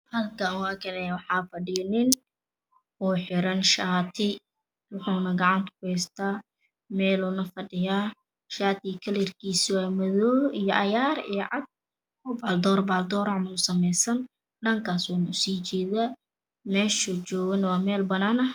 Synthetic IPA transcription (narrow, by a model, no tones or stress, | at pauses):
hɐlkʰɐnʊɐkʰɛnɛjwɑħɑːfɐɖɪnɪn | ɔːħɪɾɐnʃaːt̪ʰɪ | wʊħuːnɐɡɑʕɑnt̪ʰɐ̥kʰʊhɛjst̪ʰaː | mɛːlɔːnɐfɐɖɪjaː | ʃaːt̪ɪkʰɐlɪrkʰiːswaːmɐðɔːijɔʔɐjaːɾḭjɔʕɑd̪̚ | ʊbald̪ɔːrbaːld̪ɔːɾɐʕmɐʊsɐmɛjsɐn | ɖɐŋkʰaːswanʊsiːt͡ʃɛːða | mɛːʃʊt͡ʃɔːɣɐnwɑːmɛːlbɐnaːnɐ